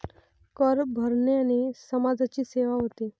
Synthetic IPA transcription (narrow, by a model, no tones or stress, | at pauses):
kəɾbʱəɾɳeanisəmad͡zat͡ɕiːseʋaɦot̪e